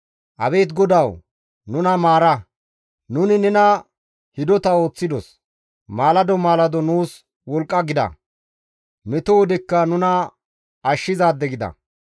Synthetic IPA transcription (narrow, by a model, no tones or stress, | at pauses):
ʔɐbe̞ːt̪ɡɔd̪ɐw | nʊnɐmaːɾɐ | nʊnɪnɛnɐ | hɪd̪ɔt̪ɐo̞ːt͡sːɪd̪ɔ̰s | maːlɐd̪ɔmaːlɐd̪ɔnuːs | wɔlkʼːɐɡɪd̪ɐ̰ | mɛt̪ɔwɔd̪ɪkːɐnʊnɐ | ɐʃːɪzaːd̪ːɛɡɪd̪ɐ̰